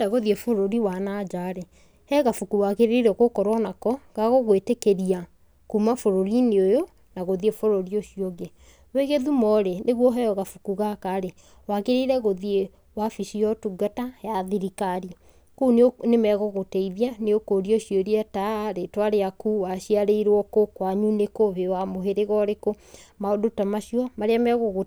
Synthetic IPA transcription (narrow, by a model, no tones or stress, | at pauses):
aɣoðiefoɾoɾiwanad͡ʒaɾɛ | hɛɣafukuwaɣeɾeiɾɛɣokɔɾwanakɔɣaɣoɣwetekeɾia | kumafoɾoɾineojo | naɣoðiefoɾoɾioʃioɡe | weɣeðumɔɾeneɣwɔɦɛɔɣafukuɣakaɾe | waɣeɾeɾɛɣoðie | wafiʃiɔtuɡatajaðiɾikaɾi | kunnemɛɣɔɣotɛiðianeokoɾioʃjoɾiataɾetwaɾeakuːwaʃiaɾeiɾwɔkokwaɲunekoβewamoɦeɾeɣɔɾeko | maodotamaʃiɔmaɾeamɛɣɔɣo